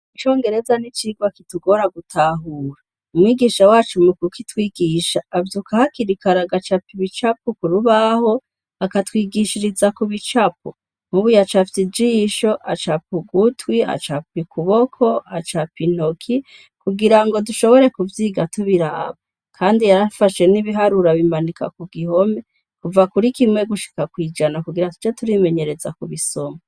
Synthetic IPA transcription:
it͡ʃo̞ːŋɡe̞ɾe̞zanit͡ʃiɡwakituɡo̞ɾaɡutʰaːɦuːɾa | umwiːɡiʃawaːt͡ʃumukukitwiːɡiːʃaːvjukahakiɾikaɾaɡat͡ʃapiβit͡ʃapukuɾuβaho̞ | akatwiːɡiʃiɾizakuβit͡ʃap̚u | muβujat͡ʃaftid͡ʒiːʃo̞ʔat͡ʃapuɡutwia̰t͡ʃapikʰuβokʰo̞at͡ʃapin̥o̞kʰi | kuɡiɾaŋɡo̞duʃo̞βo̞ɾe̞kuvjiːɡatuβiɾaːβa | kʰaːndijaɾafaʃe̞niβiɦaɾuɾaβimanikʰa̰kuɡiɦo̞me | kuvakuɾikimŋe̞ɡuʃi̥kakwiːd͡ʒanakuɡiɾatu̥t͡ʃetuɾime̞ɲe̞ɾe̞za̰kuβiso̞ma

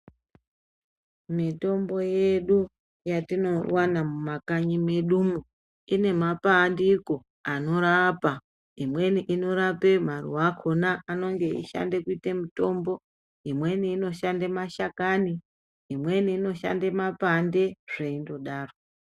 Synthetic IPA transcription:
mito̞mbo̞jeɗu | jatino̞wanamumakaɲimeɗumu | ine̞mapandiko̞ | ano̞ɾapa | imwe̞niʔino̞ɾape̞m̤arṵwakʰonaːno̞ŋɡe̞ḭʃa̰ndekuitemuto̞mbo̞ | imwe̞niːno̞ʃandemaʃakani | imwe̞niːno̞ʃa̰ndemapandeʐ̥eindo̞ɗaːro

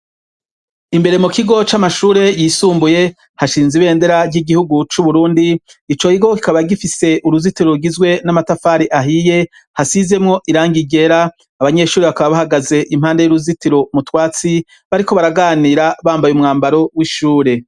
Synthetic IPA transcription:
imbe̞ɾe̞mukiɡo̞t͡ʃamaʃuːɾe̞jiːsuːmbuje̞ | haʃiːnziβe̞ːnde̞ɾaɟiɡihuɡut͡ʃuβuɾuːndiːt͡ʃo̞hiɡo̞kikaβaɡifise̞ʔuɾuzitiɾoɾɡizɡwe̞namatafaːɾiʔaɦije̞ | hasize̞mŋo̞ʔiɾaːŋɡiɟe̞ɾaː | βaɲe̞ʃuːɾeβakaβaβahaɡaze̞ʔim̥haːnde̞juɾuzitiɾo̞mutwaːt͡si | βaɾiko̞βaɾaɡaːniːɾaβaːmbajumŋaːmbaɾo̞wiʃuːɾe̞

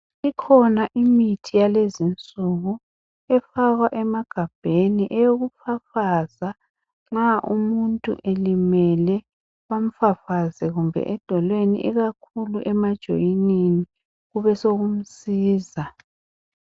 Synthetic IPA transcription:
ikʰɔnaʔimitʰijalezint͡sʼuɣu | ɛfaɣwaʔɛmaɡ̥ʱab̥ʱeniʔɛjoɣufafaza | ŋ͡ǁaʔumuntʼṵʔelimɛlɛ | βam̩fafazɛɣumbʱɛ̰ʔɛd̥ʱɔlwenḭʔiɣakʰuluʔɛmad̥ʒ̥ʱo̰jinini | ɣuβɛsoɣum̩siːza

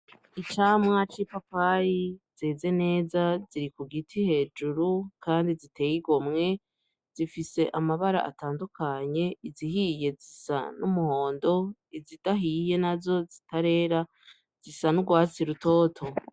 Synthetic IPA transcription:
it͡ʃaːmŋat͡ʃipapajiz̥eze̞ne̞ːzaziɾikuɡitʰihe̞ːd͡ʒuɾukaːndizite̞ːjiɡo̞mŋe̞ | z̥ifise̞ʔamaβaɾa̰ʔa̰taːndukʰaɲe̞iziɦije̞zisa̰numuho̞ːndo̞izidaɦije̞nazo̞zitaɾe̞ːɾa | z̥isanuɡwaːt͡siɾuto̞ːtʰo̞

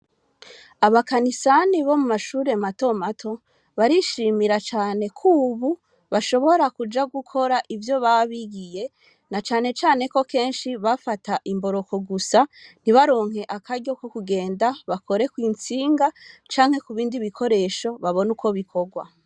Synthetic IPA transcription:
aβakanisaniβo̞mumaʃuːɾe̞mato̞matʰo̞ | βaɾiʃiːmiɾat͡ʃaːne̞kʰuːβu | βaʃo̞βo̞ɾakud͡ʒaɡukʰo̞ɾaʔivjo̞βaβiɡije̞ | nat͡ʃaːne̞t͡ʃaːne̞ko̞ke̞ːnʃiβafataʔimbo̞ɾo̞ko̞ɡusaniβaɾo̞ːŋ̥he̞ʔakʰaɾɟo̞kokuɡe̞ːndaβako̞ɾe̞kwiːnt͡siːŋɡat͡ʃaːŋ̥he̞kuβiːndiβikʰo̞ɾe̞ʃo̞βaβo̞nuko̞βikʰo̞ɡwa̰

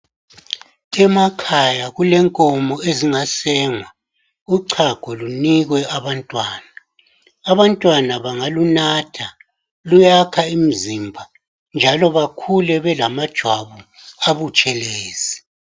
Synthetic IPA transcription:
ɛmakʰajaɣulɛŋkʼɔmɔeziŋasɛːŋwa | uǀʰaɡ̥ʱɔluniɣwɛaβantʼwaːnaː | βantʼwanaβaŋalunatʰa | lujakʰaim̩zimbʱa | nd͡ʒʱalɔβakʰulɛβɛlamad̥ʒ̥ʱwaβu | aβut͡ʃʼɛlɛːz̥i

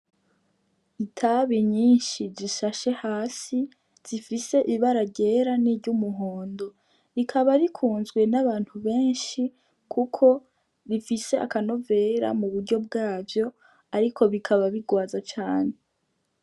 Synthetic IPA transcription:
itʰaβiɲiːnʃiziʃaʃe̞haːsi | z̥ifise̞ʔiβaɾaɟe̞ːɾaniɾɟumuɦoːndo̞ | ɾikʰaβaɾikʰuːnzɡwe̞naβaːn̥huβe̞ːnʃi | kʰukʰo̞ | ɾifise̞ʔa̰kano̞ve̞ɾa̰muβuɾɟo̞b̚ɡaːvjo̞ | aɾiko̞βikʰaβaβiɡwaːzat͡ʃaːne̞

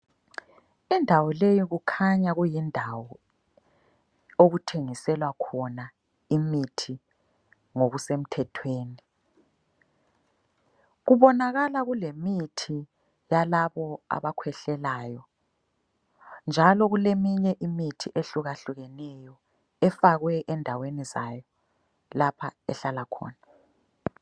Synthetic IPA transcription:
indʱawɔlejiɣukʰaɲaɣujindʱawɔ | oɣutʰeŋisɛlwakʰɔna | imitʰi | ŋoɣusem̩tʰɛtʰweːni | ɣuβɔnaɣalaɣulemitʰi | jalaβɔa̰βakʰwɛɬɛlaːjɔ | nd͡ʒʱalɔɣulemiɲɛʔimitʰiʔeɬuɣaɬuɣɛnɛjɔ | ɛfaɣwɛʔɛndʱawenizajɔ | lapʰaɛ̰ɬalakʰɔ̰ːna

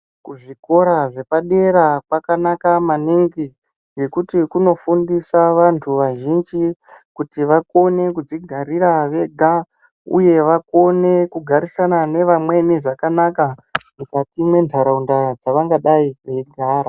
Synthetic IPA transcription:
kuʐiko̞ɾaʐe̞paɗe̞ɾakwakanakamaniŋɡi | ɡe̞kutikuno̞fundisaʋantʰuʋaʒind͡ʒikutiʋako̞ne̞kud͡ziɡʱaɾiɾaʋe̞ɡʱa | ṵje̞ʋako̞ne̞kuɡʱaɾisanane̞ʋamwe̞niʐakanakamukatimwe̞ntʰaɾaundad͡zaʋaŋɡaɗaiʋe̞ɡʱaːɾa

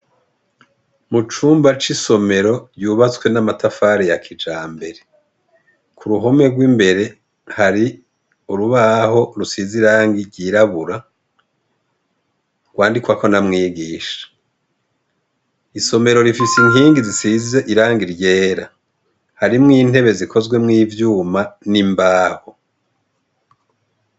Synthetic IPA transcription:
mut͡ʃuːmbat͡ʃiso̞me̞ɾo̞ɾjuːβat͡swe̞namatafaːɾejakʰid͡ʒaːmbe̞ɾe | kʰuɾuɦo̞me̞ɡwimbe̞ɾe̞ | haɾi | uɾuβaɦo̞ɾusiziɾaːŋɡiɾɟiːɾaβuɾa | ɡ̥waːndikwakʰo̞namŋiːɡiːʃḁ | iso̞me̞ɾo̞ɾifisiŋɦiːŋɡizisizeʔiɾaːŋɡiɾje̞ːɾa | haɾimŋiːn̥he̞βe̞zikʰo̞zɡwe̞mŋiːvjuːmanimbaːho

